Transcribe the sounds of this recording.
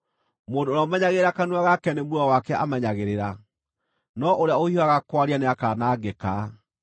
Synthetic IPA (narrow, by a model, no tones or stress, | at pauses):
moːndoːɾaomɛɲaɣeeɾakanuaɣakɛnemuawakɛʔamɛɲaɣeɾeɾa | nɔʔoɾeaohioaɣakwaɾianeakanaːɡɛka